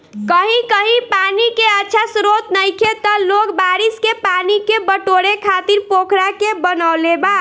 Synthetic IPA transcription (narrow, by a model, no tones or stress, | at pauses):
kəɦĩkəɦipanikeətːʃʰasɾot̪nəjkʰet̪ɔlokbaɾiskepanikebəʈoɾekʰat̪iɾpokʰɾakebənəwleba